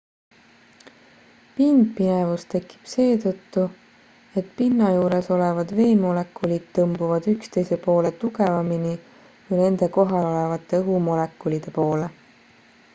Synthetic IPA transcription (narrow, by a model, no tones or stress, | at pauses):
pind̪pinevust̪e̞kːˑi̥b̥se̞ːt̪ɤt̪ːu | e̞t̪pinːɑjuːɾe̞so̞le̞vɑd̪ve̞ːmo̞le̞kːulid̪̥̚t̪ɤmbuvɑd̪̥ykst̪e̞jse̞po̞ːle̞t̪uɡe̞vɑmini | kujne̞nd̪̥e̞ko̞ɦɑlo̞le̞vɑt̪ːˑe̞ɤɦumo̞le̞kːˑulid̪̥e̞po̞ːle